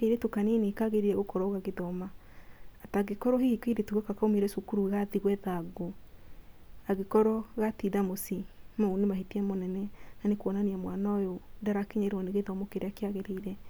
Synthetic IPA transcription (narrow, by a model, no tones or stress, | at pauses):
keɾetokanenekaɣeɾiɾɛɣokɔɾɔoɣaɣeðɔmaː | taɣekɔɾɔɦehikeiɾetuɣɛkakaomeɾɛsukuɾuɣaðiɣwɛðaɡo | aɣekɔɾɔɣatiðamosimaunemaɦitiɛmonɛnɛnanekwɔnaniamwanaojodaɾakeɲɛɾɔneɣeðɔmɔkeɾakeaɣeɾeiɾɛ